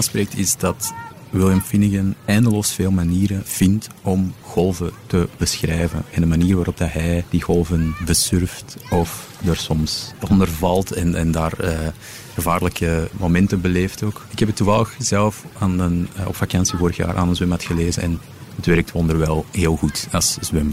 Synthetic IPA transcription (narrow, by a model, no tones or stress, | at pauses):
aːnspɾeːk̚tɪzdɑt | wɪlˠjəmfinɪɣənɛːndəloːsfeːlˠmaniːɾəv̥ɪntɔmɣɔlˠvətəb̥əsxrɛːvə̰nɛndənmaniːrʋaːɾɔb̚dɑɦɛjd̥iɣɔlˠvənbəsʏrftɔf | dərsɔmsɔndərvɑlˠtɛnʔɛ̰ndaːrəː | ɣəvaːrləkəmomɛntəbəleːftoːkɪkhɛpətːuvɑlˠəxz̥ɛlˠfaːnənɔ̰pfakɑnsəvoːɾəxja̰ːɾʔa̰ːnənzɪmɑtxəleːzənɛn | ətʋɛɾək̚tʰʋɔndərʋɛlˠɦeːlˠɣutɑszwɪm